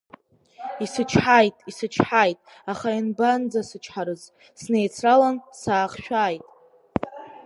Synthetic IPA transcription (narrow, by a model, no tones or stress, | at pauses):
isɨt͡ʃʰħajtʼisɨt͡ʃʰħajtʼ | aχainband͡zasɨt͡ʃʰħaɾɨz | snejt͡sʰralansaːχʃᶣaːjtʼ